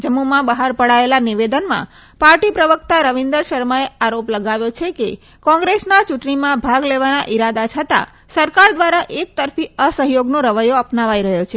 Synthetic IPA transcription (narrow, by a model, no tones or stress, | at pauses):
d͡ʒəmːumãbəɦaɾpəɽaelaniʋed̪ənmã̰ | paɾʈipɾəʋəkt̪aɾəʋind̪əɾʃəɾmaeaɾopləɡaʋjot͡ʃʰeke | kɔ̃ŋɡɾesnat͡ʃuʈɳimãbʱaɡleʋanaʔiɾad̪at͡ʃʰət̪a̰ | səɾkaɾd̪ʋaɾaʔek̚t̪əɾfiəsəɦjoɡnoɾəʋəjoəpnaʋajɾəɦjot͡ʃʰe